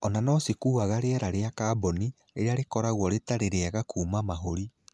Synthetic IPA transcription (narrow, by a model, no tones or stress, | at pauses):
ɔnanɔsikuːaɣaɾeɛɾaɾeakaːbɔni | eɾeaɾekɔɾaɣwɔɾetaɾeɾeaɣakuːmamaɦoɾi